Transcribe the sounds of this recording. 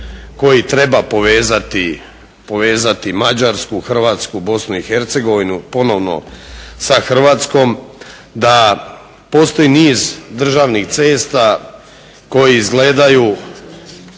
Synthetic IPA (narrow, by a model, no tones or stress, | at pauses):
ko̞jit̪ɾe̞bapoʋeːzat̪i | po̞ʋe̞ːzat̪imad͡ʑaɾskuxr̩ʋaːt̪skubo̞snuixe̞ɾt̪se̞ɡo̞ʋinupo̞no̞ʋno̞̰saxr̩ʋaːt̪sko̞m | d̪a | po̞st̪o̞jiniːzd̪r̩ʒaʋnixt̪seːst̪a | ko̞jiizɡle̞ːd̪aju